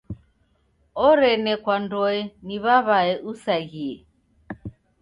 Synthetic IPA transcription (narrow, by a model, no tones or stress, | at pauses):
ɔɾɛnɛkwandɔɛniβaβaɛʔusaɣiɛ